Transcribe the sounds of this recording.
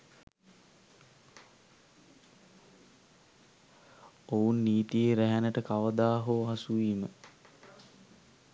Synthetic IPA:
ounːiːt̪ieɾæɦænəʈəkaʋəd̪aːɦoɦasuʋiːmə

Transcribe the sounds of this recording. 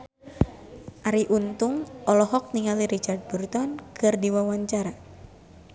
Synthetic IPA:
ʔaɾiʔunt̪uŋʔɔlɔɦɔk̚niŋaliɾit͡ʃard̪̚burt̪ɔnkʰɨrdiwawaɲt͡ʃaɾa

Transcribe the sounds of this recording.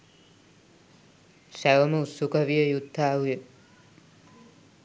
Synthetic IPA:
sæʋəməusukɐʋijəjud̪ʱːaːuje

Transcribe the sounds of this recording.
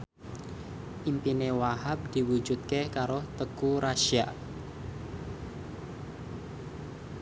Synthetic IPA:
ʔimpinewahap̚d̪̥i̤wud͡ʒut̪̚kekaɾot̪əkuɾaʃia̰ʔ

